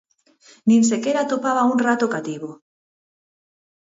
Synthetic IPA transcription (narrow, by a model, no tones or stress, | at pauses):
nĩns̬ekeɾat̪opaβaunrat̪okat̪iβo